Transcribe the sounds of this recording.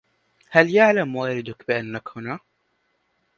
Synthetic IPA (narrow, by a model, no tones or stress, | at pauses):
haljaʕlamwaːɾɪd̪akbɪʔanːakhʊna